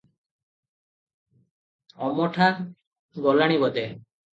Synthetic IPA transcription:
ɔmɔʈʰa | ɡɔlaɽ̃ibɔd̪e

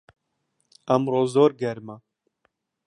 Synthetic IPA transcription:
ɛmroːzoːɾɡɛɾma

